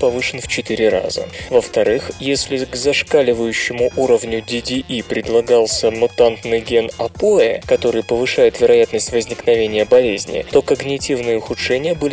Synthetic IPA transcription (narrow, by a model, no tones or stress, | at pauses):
pɐvɨʂɨnft͡ɕɪt̪ɨɾʲɪɾa̰zə̰vəft̪ɐɾɨxjesʲlʲɪɡzɐʂkalʲɪvəjʉɕːɪmʊʔuɾəvnʲʊdʲɪdʲiʔipɾʲɪd̪lˠɐɡalˠsʲəmʊt̪ant̪nɨjɡʲenɐpoɛkɐt̪o̞ɾɨjpəvɨʂajɪt̪vʲɪɾɐjat̪nəsʲtʲvəzʲnʲɪknɐvʲenʲɪjəbɐlʲezʲnʲɪ̰t̪o̞kəɡnʲɪtʲivnɨjəʊxʊtʂɛnʲɪjəbɨlʲ